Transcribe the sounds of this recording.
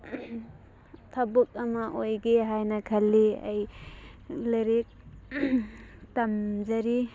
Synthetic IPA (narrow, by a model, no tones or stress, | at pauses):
tʰɐbuk̚ɐmɐʔojɡeɦajnɐkʰɐlːiɐ̰j | leɾik̚ | tɐmd͡ʒɐɾi